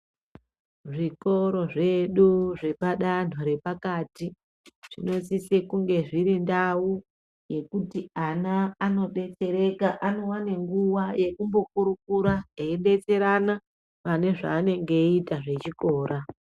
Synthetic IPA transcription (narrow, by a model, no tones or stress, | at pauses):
ʐiko̞ɾo̞ʐe̞ɗuʐe̞paɗan̤oɾe̞pakati | ʐ̥ḭno̞sisekuŋɡe̞ʐiɾindawu | je̞kutianaːno̞ɗe̞t͡se̞ɾe̞kaʔano̞waneŋɡuwaje̞kumbo̞kuɾukuɾaeiɗe̞t͡se̞ɾana | ʋane̞ʐa̰ːne̞ŋɡe̞itaʐe̞t͡ʃiko̞ːɾa